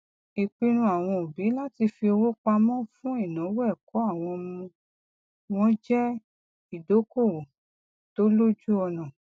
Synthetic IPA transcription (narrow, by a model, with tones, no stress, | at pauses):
i˨k͡pi˧nũ˧˦a˨w̃ɔ̃˧o˨bi˨˦la˦ti˧fi˧o˧wo˦k͡pa˧mɔ̃˦fũ˦i˦˨nã˨˦wɛ˦˨kɔ˨˦a˦˨w̃ɔ̃˧mũ˧ | w̃ɔ̃˦d͡ʒɛ˦ | i˨do˨˦ko˦˨ | to˦lo˦d͡ʒu˦ɔ˧nã˨